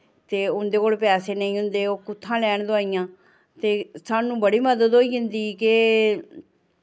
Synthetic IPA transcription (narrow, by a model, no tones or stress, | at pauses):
t̪eːʊnd̪eːkoːlpɛːseːnəĩːɦʊnd̪eːoːkʊt̪ʰːãːlɛːɳd̪ʊaːijãː | t̪eːsaːnũːbəɽiːməd̪əd̪oːiːɦʊ̃nd̪iːkɪ